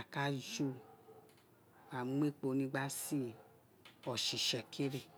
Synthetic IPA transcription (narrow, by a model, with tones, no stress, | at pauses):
a˨ka˦d͡ʒu˦ | a˨˦m˦e˦k͡po˧nĩ˧ɡ͡ba˦si˦˨ | ɔ˨ʃi˨ʃɛ˨kʰi˦ɾe˧